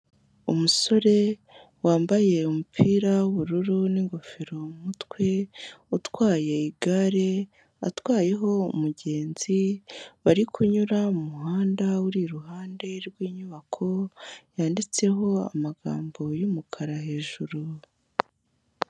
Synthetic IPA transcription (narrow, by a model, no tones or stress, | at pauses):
umuso̞ɾe̞ | waːmbaje̞umupʰiːɾauβuɾuɾuniŋɡo̞feɾo̞mutwe̞utwaːje̞iɡaɾe̞ | a̰twaːje̞ɦo̞ṵmuɟe̞ːnz̥iβaɾikʰuɲuɾaumuɦaːndawuɾiɾuɦaːnde̞ɾɡwiːɲuβakʰo̞jaːndit͡se̞ɦo̞a̰maɡa̰ːmbo̞jumukʰaɾahe̞ːʒuɾu